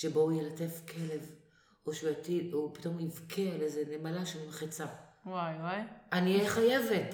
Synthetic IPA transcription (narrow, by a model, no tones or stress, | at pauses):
ʃeboujelatefkʰele̞v | oʃujat̪idopi̥t̪o̞mivkʰealezenemalaʃelmaχet͡sawajwajanieχajevet